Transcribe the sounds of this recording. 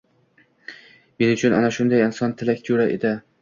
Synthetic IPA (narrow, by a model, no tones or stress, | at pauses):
me̞nʊt͡ʃʰʊna̰naʃʊnd̪ajɪnsɒnt̪ʰɪlakʲd͡ʒoɾaʔed̪ɪ